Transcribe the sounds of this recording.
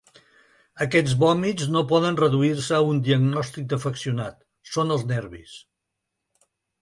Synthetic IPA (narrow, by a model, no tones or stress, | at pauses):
əkɛd͡zβɔmid͡znopɔðənrəðuiɾsəːund̪iəɡnɔst̪ik̚d̪əfəksiunat̪ | sonəlˠznɛɾβis